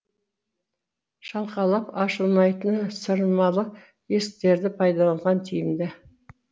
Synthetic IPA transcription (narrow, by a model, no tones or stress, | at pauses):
ʃɑlˠqɑlˠɑpɑʃəlˠmɑjt̪ənsəɾəmɑlˠə | je̞sk̚t̪e̞ɾd̪ɪpʰɑjd̪ɑlˠɑɴʁɑnt̪ʰijɪmd̪ɪ